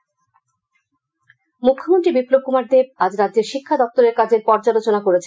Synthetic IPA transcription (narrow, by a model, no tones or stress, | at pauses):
mukʰːomonʈ̪ɾibiplob̚kumaɾd̪eb̚ad͡ʑɾadd͡ʑeɾʃikʰːad̪ɔk̚t̪oɾeɾkad͡ʑʱeɾpɔɾd͡ʑalot͡ɕonakoɾet͡ɕʰ